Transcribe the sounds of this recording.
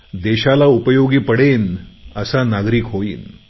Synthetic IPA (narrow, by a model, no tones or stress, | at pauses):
d̪eɕalaupəjoɡiːpəɽenəsanaɡɾiːkɦoḭːn